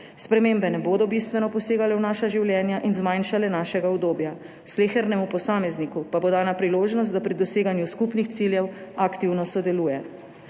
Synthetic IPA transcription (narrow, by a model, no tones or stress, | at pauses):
spɾɛmeːmbɛnɛboːd̪ɔbist̪ʋɛnɔpɔseːɡalɛwnaːʃaʒiwljɛːnjaʔinzmajnʃalɛnaːʃɛɡaud̪oːbja | sleːxɛɾnɛmupɔsaːmɛznikupabod̪aːnapɾiloːʒnɔst̪apɾid̪ɔseːɡanjuskupnixt̪siljɛwakt̪iwnɔsɔd̪ɛluːjɛ